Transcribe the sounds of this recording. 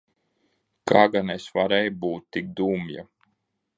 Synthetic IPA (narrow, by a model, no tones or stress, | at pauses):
kʰaːɡanesvaɾɛjbuːt̪̚ːik̚d̪uːmja̰